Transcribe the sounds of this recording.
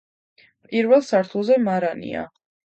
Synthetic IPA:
pʼiɾvɛlˠsaɾt̪ʰulˠzɛmaɾanḭa̰

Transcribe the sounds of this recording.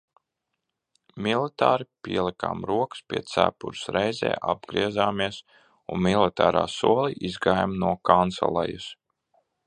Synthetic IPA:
milˠit̪aːɾipiɛlˠika̰ːmɾuɔkɨ̥spʲiɛt̪sæ̰ːpuɾsɾɛjzɛ̰ːʔa̰b̚ɡɾiɛzaːmiɛs | unmilˠit̪aːɾa̰ːsuɔlˠiʔizɡaːjmnuɔkant̪sɛ̰lˠɛjus

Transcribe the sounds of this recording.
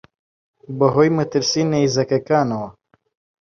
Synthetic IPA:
bəɦojmɨt̪ɨɾsinejzɐkɐkaːnɐwɐ

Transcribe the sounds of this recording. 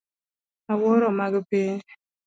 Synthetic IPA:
awɔɾɔmaɡpiɲ

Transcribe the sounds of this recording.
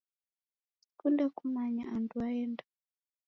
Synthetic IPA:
kundakumaɲa̰anduaɛnda

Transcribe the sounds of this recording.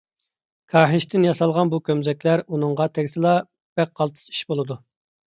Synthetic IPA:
kʰɑːɦɪʃt̪ʰɪnjɑsɑlˠʁɑnbukʲømzɛkʲlæɾunɨŋʁɑt̪ʰɛɡʲsɨlˠɑ | b̥ɛk̚qɑlˠt̪ʰɨ̥si̥ʃbolˠɨd̪u

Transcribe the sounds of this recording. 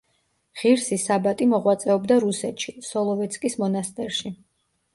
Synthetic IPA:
ʁ̥iɾsisabat̪ʼimɔʁwat̪sʼɛɔbd̪aɾusɛt̪ʃisɔlˠɔvɛt̪skʼismɔnast̪ʼɛɾʃi

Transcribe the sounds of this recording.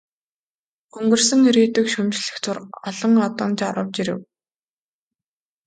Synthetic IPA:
ɵŋɡɵ̆rsɵ̆ŋiɾiːt̪ɘ̆kʃɵmt͡ɕɮɘ̆xt͡sʰʊrɔɮɞ̆ŋɔt̪ɞ̆nt͡ɕaɾə̆wt͡ɕiɾɘ̰̆w

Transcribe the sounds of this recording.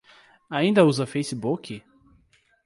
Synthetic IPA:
aĩnd̪ɐuzɐfejsɪbukɪ

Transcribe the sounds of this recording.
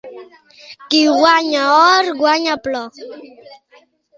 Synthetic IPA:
kiwaɲaɔɾɡwaɲaplɔ

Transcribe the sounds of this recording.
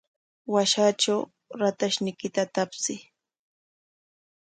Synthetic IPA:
waʃaʈ͡ʂaw | ɾat̪aʃnɪkɪt̪at̪apsɪ

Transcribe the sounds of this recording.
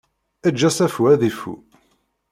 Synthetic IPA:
æd͡ʒːæsæfuæðifṵ

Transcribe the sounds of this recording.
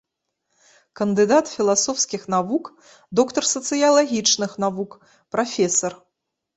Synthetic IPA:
kɐnd̪ɨd̪at̪fʲilˠasɔwskʲixn̪avuk | d̪ɔkt̪ɐrsɐt̪sɨjɐlˠaɣʲit͡ʂnɨxnavuk | pɾafʲɛsɐr

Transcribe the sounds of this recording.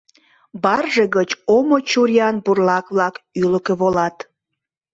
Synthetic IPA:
bɑrʒəɣət͡ɕomot͡ɕuɾjɑnburlɑkβlɑkyləkeβolɑt̪

